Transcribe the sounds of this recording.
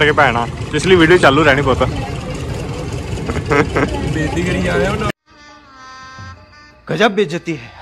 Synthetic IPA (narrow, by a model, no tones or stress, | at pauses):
əkepɛːɽ̃aːɪsləiːʋiːɖijot͡ʃaːlːuːɾɛːɽ̃iːpoːt̪aː | beːd̪ikəɽiaːon | ɡ̥əd͡ʒabbeːd͡ʒət̪iː